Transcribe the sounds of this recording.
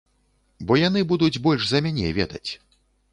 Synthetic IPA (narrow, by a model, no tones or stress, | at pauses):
bɔjan̪ɨbud̪ud͡zʲbɔlʲʂzɐmʲanʲɛ̰vʲɛd̪ɐt͡sʲ